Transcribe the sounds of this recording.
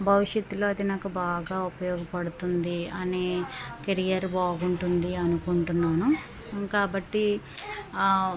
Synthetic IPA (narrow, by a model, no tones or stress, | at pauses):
bʱɐʋiʂjɐt̪ːulo̞ːɐd̪inaːkubaːɡaːupɐjɔːɡɐpɐɽut̪und̪iɐneːkeɾijɐɾbaːɡuɳʈund̪iɐnukuɳʈunːaːnu | kaːbɐʈːi